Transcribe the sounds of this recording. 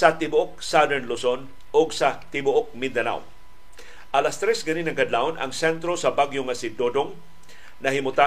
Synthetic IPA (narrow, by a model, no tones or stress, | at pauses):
sɐt̪ɪbʊʔok̚sad̪ɛɹnlʊson | ʔoɡsɐt̪ɪbʊʔok̚mɪnd̪ɐna̰w | ʔɐlast̪ɾɛsɡɐninɐŋkɐd̪laonɐ̰ŋsɛnt̪ɾosɐbaɡjoŋɐsɪd̪od̪oŋ | nɐɦɪmʊt̪a